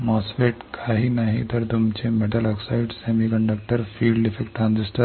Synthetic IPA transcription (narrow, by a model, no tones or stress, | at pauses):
mɔsʋeʈkʰaɦinaɦḭt̪əɾt̪umt͡ɕemeʈəlɔksaɪɖsemikəɳɖək̚ʈəɾfiːlifekʈʈːɾãnsisʈə